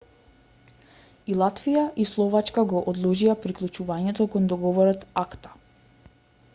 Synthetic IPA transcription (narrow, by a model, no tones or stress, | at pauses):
ilˠat̪vijaʔislˠɔvat͡ʃkaɡɔʔɔd̪lˠɔʒiapɾiklˠut͡ʃuvaɲɛt̪ɔkɔnd̪ɔɡɔvɔɾɔt̪akt̪ḁ